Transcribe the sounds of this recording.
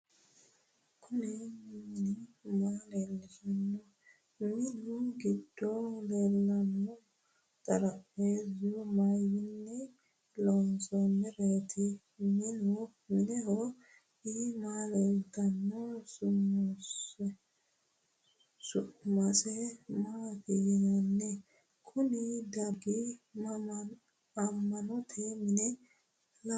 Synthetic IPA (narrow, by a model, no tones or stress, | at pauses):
kʰunɛmiminimalɛlkanːɔ | minuɡitːɔlɛlːanɔ | taɾaezumajinːɛ | lɔnsɔmɛɾɛtʰi | minu | mɪnɛɦɔ | ɪmaːlɛd̪ɐnːɔsʊmːɔs | sʊmɐsɛmaːt̪ɪjɪnanːɛ | kʰʊnɪd̪ɐɡɪ | ɐmːɐnɔt̪ʰɛmɪnɛ | la